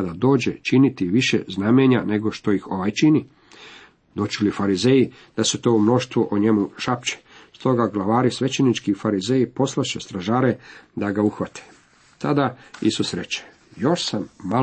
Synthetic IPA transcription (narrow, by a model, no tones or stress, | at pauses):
ad̪ad̪o̞ːd͡ʑe̞t͡ʃinit̪iʋiʃḛznameɲane̞ɡo̞ʃt̪o̞ixo̞ʋajt͡ʃini | d̪o̞t͡ʃilifaɾizeji | d̪̥ase̞t̪o̞ːumno̞ʃt̪ʋuʔoɲe̞muʃapt͡ɕe̥st̪o̞ɡaɡlˠaʋaːɾisʋe̞t͡ɕenit͡ʃkiufaɾizeːjipo̞slˠaʃest̪ɾaʒaːɾe̞d̪aɡauxʋat̪ʰe̥ | t̪ad̪aḭsusɾe̞t͡ɕe̥ | jo̞ʃsamːa